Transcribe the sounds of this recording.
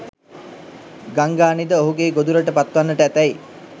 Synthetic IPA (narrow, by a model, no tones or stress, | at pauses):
ɡaŋɡaːnid̪əoɦuɡeːɡod̪uɾəʈəpat̪ʋanːəʈəæt̪æj